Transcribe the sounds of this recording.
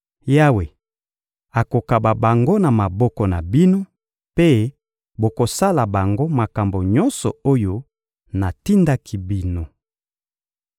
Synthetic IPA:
ja˦we˨ | a˨ko˨ka˨ba˨ba˨ŋɡo˦na˨ma˨bɔ˦kɔ˨na˨bi˦no˦ | pe˦ | bo˨ko˨sa˦la˨ba˨ŋɡo˦ma˨ka˨mbo˨ɲɔ˦nsɔ̰˨o˦jo˦ | na˨ti˦nda˦kʰi˦bi˦no˨

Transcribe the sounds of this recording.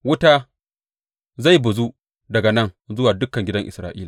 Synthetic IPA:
wʊ˦taː˦ | za˦˨jbʊ˨zu˦ | dɐ˨ɡa˨nɐ˦˨ŋzʊ˦waː˨dʊ˦kːɐ˨ŋɡʲɪ˦dɐ˦ŋʔɪ̰˨sɾaː˨ʔḭː˦laː˨

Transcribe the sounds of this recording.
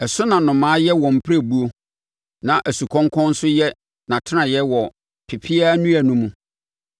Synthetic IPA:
ɛ˨sʊ˦nã˨nʊ̃˨mãː˨˦jɛ˦wɔ̃˨m̩˨pʰɾæ˦˨bu˦o˦ | nã˨ʔæ˨su˨kʰɔ̃˦ŋkʰɔ̃˦n̩˦sʊ˦jɛ˦ | nã˨tʰɪ˦nã˨jɛ˦wɔ˨ | pʰɪ˨pʰi˦a˦nũ˦æ˨nũ˦mũ˦

